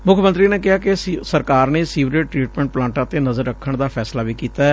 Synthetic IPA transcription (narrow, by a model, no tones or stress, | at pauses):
mʊkʰːmənt̪ɾiːneːkɪɦaːkesəɾkaːɾneːsiːʋɾeːʈɾiːʈmɛ̃ːɳʈ̚plãːɳʈãːt̪eːnəzəɾːəkʰːəɳd̪aːpʰɛːslaːʋiːkiːt̪aːɛː